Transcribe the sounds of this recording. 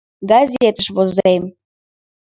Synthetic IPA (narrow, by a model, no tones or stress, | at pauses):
ɡɑzʲet̪əʃβozem